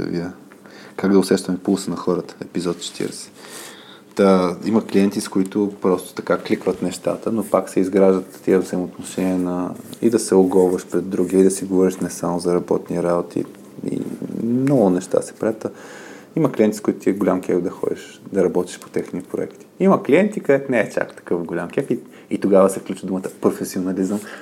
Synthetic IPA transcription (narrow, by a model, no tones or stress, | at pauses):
ə̰vḭə | kaɡd̪ɐʊsɛʃt̪əmɛpulˠsənɐxɔɾət̪ə̥ɛpizɔt̪t͡ʃɛ̥t̪ʰḭɾɛsɛ̥ | t̪aimɐkliɛnt̪iskoit̪ʊpɾɔst̪ʊ̥t̪ɐkaklikvət̪nɛʃt̪a̰t̪ənopaksɛizɡɾaʒd̪ət̪ːiəvzɐjmoːt̪noʃɛniɛnɐḭd̪ɐsɛʊɡɔlvɐʃpɾɛd̪ːɾuɡʲiəid̪ɐsiɡovɔɾiʃnɛsamʊzɐɾɐbɔ̰t̪niɾabot̪ʰḭ | ḭmnɔɡʊnɛʃt̪a̰sɛ̥pɾat̪ə | imɐklʲiɛnt̪i̥skʊit̪ʊt̪iɛɡʊlʲamkɛɡd̪ɐxɔ̰d̪ḭʃ | d̪ɐɾɐbɔt̪i̥ʃpo̥t̪ɛxnipɾo̰ɛ̰kt̪i̥imɐkliɛnt̪ikɐd̪ɛt̪nɛɛt͡ʃa̰kt̪ɐ̥kɤfɡʊlʲamkʲɛki | it̪oɡavəsɛfklʲut͡ʃvəd̪umət̪ə̥pɾofɛsionɐlizəm